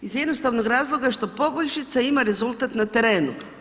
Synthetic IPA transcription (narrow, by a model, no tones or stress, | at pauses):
izjɛd̪nost̪aʋnoɡɾaːzlˠo̞ɡaʃt̪o̞po̞boʎʲʃit̪saimaɾe̞zulˠt̪at̪nat̪e̞ɾe̞ːnu